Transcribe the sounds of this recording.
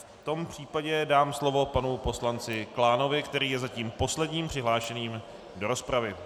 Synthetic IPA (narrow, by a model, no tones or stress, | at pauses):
ft̪o̞mpr̝̥iːpaɟɛdaːmslo̞vo̞panupo̞slant͡sɪklaːno̞vɪkt̪ɛɾiːjɛzaciːmpo̞slɛdɲiːmpr̥ɪɦlaːʃɛniːm | do̞ɾo̞spɾavɪ